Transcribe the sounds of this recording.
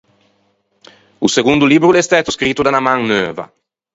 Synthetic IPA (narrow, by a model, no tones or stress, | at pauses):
useɡund̪uliːbɾulɛst̪ɛt̪uskɾit̪ːud̪anamaŋnøːva̰